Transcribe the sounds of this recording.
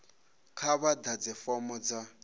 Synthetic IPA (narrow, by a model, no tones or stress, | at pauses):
kʰaβadad͡zɛfɔmɔd͡za